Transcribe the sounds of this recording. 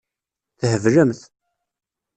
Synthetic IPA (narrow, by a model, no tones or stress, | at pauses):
θhəvləmθ